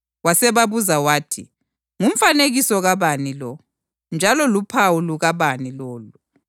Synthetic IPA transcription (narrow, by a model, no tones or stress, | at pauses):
wasɛβaβuzawaːtʰi | ŋum̩faneɣisɔɣaβanilɔ | nd͡ʒʱalɔlupʰawuluɣaβanilɔːlu